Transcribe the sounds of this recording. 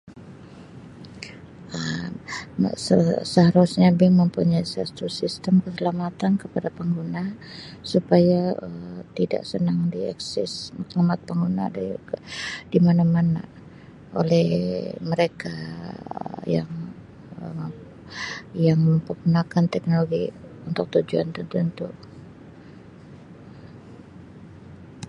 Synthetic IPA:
ə̰ | səsəɦaɾusɲabɪŋməmpuɲajsast̪ɾusist̪əmkəsəlamat̪ankəpadapəŋɡunasupajaət̪ida̰ʔsənaŋdiɛ̰ksɪ̰smat̪lumat̪̚pəŋɡuna̰d | dimanamana̰ | ʔo̰lɛhməɾeka | jaŋ | ə | jaŋməmpərɡunakant̪ɛk̚noloɡiunt̪ʊk̚t̪ud͡ʒua̰nt̪ənt̪unt̪uʔ

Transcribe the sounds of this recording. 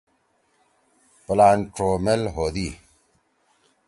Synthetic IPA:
plaːnʈɾoːmelɦoːd̪iː

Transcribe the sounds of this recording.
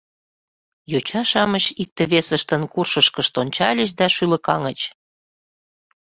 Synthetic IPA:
jot͡ɕɑʃɑmət͡ɕik̚t̪eβesəʃt̪ə̆nkurʃəʃkəʃt̪onʲt͡ɕɑlʲəʃ̬d̪ɑʃylə̆kɑ̰ŋət͡ɕ

